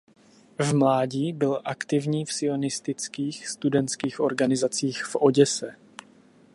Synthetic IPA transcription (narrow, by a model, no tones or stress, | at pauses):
vmlaːɟiːbɪlʔakt̪ɪvɲiːfsɪo̞nɪst̪ɪt͡skiːxst̪udɛnt̪skiːxʔo̞ɾɡanɪzat͡siːxfʔo̞ɟɛsɛ